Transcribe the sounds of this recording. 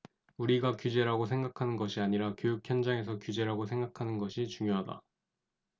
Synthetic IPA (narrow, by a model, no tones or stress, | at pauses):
uɾiɡakjud͡ʑe̞ɾaɡosʰeŋɡakʰanɯnɡʌɕʰiaɲiɾakjojukʰjʌnd͡ʑaŋe̞s̬ʰʌkjud͡ʑe̞ɾaɡosʰe̞ŋɡakʰanɯnɡʌɕʰit͡ɕuŋjoɦada̰